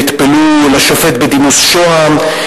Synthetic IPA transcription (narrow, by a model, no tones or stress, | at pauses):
it̪pelulaʃofe̞t̪̚bed̪imusʃoam